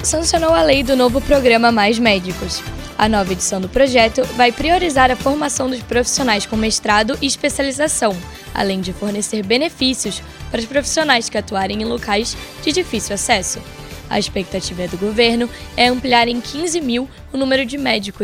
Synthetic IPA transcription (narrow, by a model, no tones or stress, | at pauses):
sɐ̃sionowɐlejd̪ʊnovʊpɾoɡɾɐ̃mɐmajzmɛd͡ʒikʊs | ɐ̰nɔvɐed͡ʒi̥sɐ̃w̃d̪ʊpɾoʒɛt̪ʊvajpɾioɾizaɾɐfoɾmasɐ̃w̃d̪ʊʃpɾofi̥sionajskõmeʃt̪ɾad̪ʊʔɪːʃspesializasɐ̃w̃ | a̰lẽj̃d͡ʒɪfoɾneseɾbenefisiʊs | paɾɐʊʃpɾofi̥sionajskɪat̪uaɾẽj̃ẽj̃lokajzd͡ʒɪd͡ʒifisiwasɛsʊ | ɐ̰iʃpek̚t̪at͡ʃivɐɛd̪ʊɡoveɾnʊɛɐ̃mpliaɾẽj̃kʰĩzɪmiw | ʊnũmeɾʊd͡ʒɪmɛd͡ʒikʊ